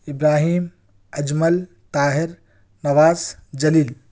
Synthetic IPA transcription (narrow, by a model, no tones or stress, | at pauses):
ɪbɾaːɦiːm | ɐd͡ʒməl | t̪aːɦɪɾ | nɐʋaːzd͡ʒɐliːl